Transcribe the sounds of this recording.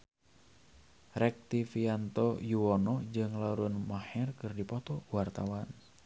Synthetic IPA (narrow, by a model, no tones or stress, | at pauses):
rɛk̚t̪ifiant̪ɔjuwɔnɔd͡ʒɨŋlaɾunmahɛrkɨrdipɔt̪ɔwart̪awan